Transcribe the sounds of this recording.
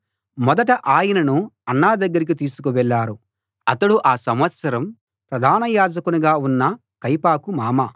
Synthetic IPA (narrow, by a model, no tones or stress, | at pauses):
mɔd̪ɐʈɐʔaːjɐnɐnuɐnːaːd̪ɐɡːɐɾik̬it̪iːsu̥kuʋɛɭːaːɾu | ɐt̪ɐɽuʔaːsɐmʋɐt̪sɐɾɐm | pɾɐd̪ʱaːnɐjaːd͡ʒɐkuniɡaːunːɐ | kɐjpaːkumaːma